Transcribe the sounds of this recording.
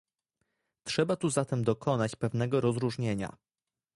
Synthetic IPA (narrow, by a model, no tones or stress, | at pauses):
tʂɛbat̪uzat̪ɛmd̪ɔkʰɔn̪at͡ɕpɛvnɛɡɔɾɔzɾuʐɲeɲa̰